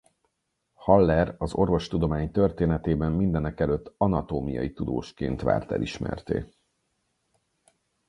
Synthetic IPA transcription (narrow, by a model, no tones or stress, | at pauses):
hɒlːɛɾɒzo̞rvo̞ʃt̪ud̪o̞maːɲt̪ø̞rt̪eːnɛt̪eːbɛmːind̪ɛnɛkɛløt̪ːɒnɒt̪oːmijɒ̰jit̪ud̪o̰ːʃkeːnt̪ʋa̰ːrt̪ɛ̰lʔiʃmɛ̰rt̪ḛː